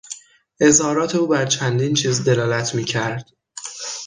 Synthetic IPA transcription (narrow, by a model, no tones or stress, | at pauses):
ʔe̞zhɒːɾɒːt̪ʰe̞uːbæɾt͡ʃʰænd̪iːnt͡ʃʰiːzd̪e̞lɒːlæt̪ʰmiːcʰæɾd̪̥